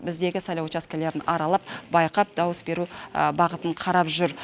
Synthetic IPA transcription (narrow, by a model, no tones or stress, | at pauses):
bɪzd̪e̞ɡʲɪsɑjlˠɑwt͡ʃaskʲele̞ɾɪnɑɾɑlˠɑp̚bɑjqɑp̚d̪ɑwəsbe̞ɾubɑʁət̪əɴqʰɑɾɑpʒʏɾ